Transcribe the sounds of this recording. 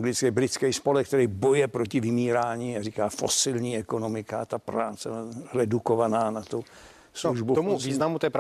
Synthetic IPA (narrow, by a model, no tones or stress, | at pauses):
ŋɡlɪt͡skɛjbɾɪt͡skɛjspolɛk̚t̪ɛɾɛjbojɛpɾocɪvɪmiːɾaːɲiːarikaːfo̰sɪlɲiːɛko̞no̞mɪkat̪apɾaːt͡sɛblarɛdukovanaːnat̪u | sluʒbut̪omuviːznamut̪ɛpɾ